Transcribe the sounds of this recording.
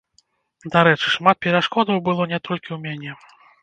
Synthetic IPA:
d̪aɾɛt͡ʂɨ̥ʂmat̪̚pʲɛɾaʂkɔd̪ɐwbɨlˠɔnʲɛt̪ʰɔlʲkʲiwmʲanʲɛ

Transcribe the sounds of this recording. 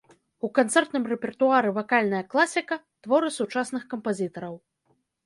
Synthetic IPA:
ukant̪sɛrt̪nɨmrɛpʲɛrt̪uaɾɨvakalʲnɐjɐklˠasʲikɐ | t̪vɔɾɨsut͡ʂasnɨxkɐmpazʲit̪ɐɾɐw

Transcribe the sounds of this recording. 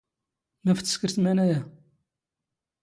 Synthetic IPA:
mæft͡s̪ːskəɾsmænæjæ

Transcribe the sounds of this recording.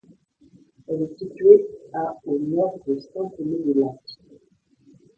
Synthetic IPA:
ɛlesitɥeaonɔʁd̪əstɑ̃tenedelak

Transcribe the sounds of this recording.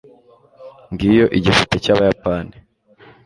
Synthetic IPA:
ŋɡijo̞ʔiɟifutecaːβajapaːni

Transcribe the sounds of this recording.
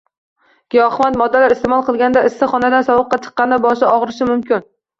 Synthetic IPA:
ɡ̥ʲijɒχmat̪mɒd̪ːalaɾɪst̪emɒlˠqʰɨlˠɡʲanɪd̪aɪsɪχɒnad̪ansɒwɨqːɑt͡ʃʰɨ̥qːɑnɪbɒʃ̬ɪɒʁɾɪʃɪmʊmkʲɪn

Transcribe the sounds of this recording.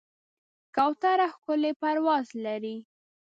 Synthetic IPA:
kɑwt̪aɾaxkʊlepaɾwɑzlaɾi

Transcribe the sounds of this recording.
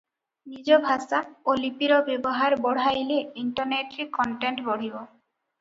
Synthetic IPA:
nid͡ʒɔbʱasaolipiɾɔbebɔɦaɾbɔɽ̤ajleiɳʈɔɾneʈɾekɔɳʈeɳʈbɔɽ̤ibɔ

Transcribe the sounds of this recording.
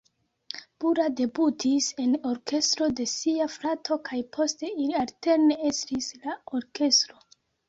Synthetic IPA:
b̥uɾade̞butʰise̞no̞ɾke̞stɾo̞de̞siafɾatʰo̞kʰajpʰo̞ste̞ilialte̞ɾne̞estislao̞ɾke̞stɾo̞

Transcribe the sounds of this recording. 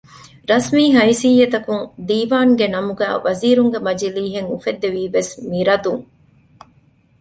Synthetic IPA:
ɾɐsmiːɦɐjsijːet̪ɐkuŋd̪iːʋaːŋɡenɐmuɡæ̰ːʋɐziːɾuŋɡemɐd͡ʒiliːɦeŋufed̪ːeʋiːʋesmiɾɐd̪uŋ

